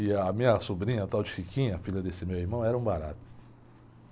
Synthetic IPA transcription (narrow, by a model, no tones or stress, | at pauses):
ɪːmĩɲɐsubɾĩɲɐt̪awd͡ʒɪfikĩɲɐfiʎɐd̪esɪmewiɾmɐ̃w̃ɛɾɐũbaɾa̰t̪ʊ̥